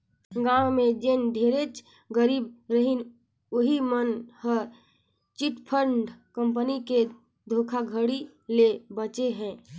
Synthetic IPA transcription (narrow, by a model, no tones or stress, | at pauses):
ɡãwmẽd͡ʒend̪ʱeɾet͡ʃ | ɡəɾiːb̚ɾəɦin | oɦimənhə | t͡ʃiʈpʰəɾɳɖkə̃mpənike | d̪ʱoːkʰaɡʱəɽi | lebət͡ʃeɦɛ̃ː